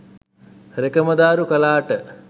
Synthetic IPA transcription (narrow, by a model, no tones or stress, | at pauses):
ɾekɐmɐd̪aːɾukɐlaːʈə